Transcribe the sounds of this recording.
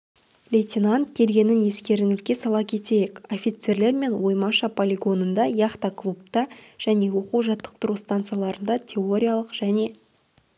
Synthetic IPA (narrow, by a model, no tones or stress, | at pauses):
lʲejt̪ʲinant̪kʲʰe̞lɡʲe̞nɪnje̞skʲe̞ɾɪŋɪzɡʲe̞sɑlˠɑkʲʰe̞t̪e̞jeko̞fʲit̪se̞ɾle̞ɾme̞nwo̞jmɑʃɑpʰo̞lʲiɡo̞nənd̪ɑjɑχt̪ɑklˠup̚t̪ɑʒ̥æne̞wo̞quwʒɑt̪ːə̥q̚t̪ʊɾust̪ant̪sɨjalˠɑɾənd̪ɑt̪ʲʰe̞o̞ɾʲijalˠəqʒ̥æne̞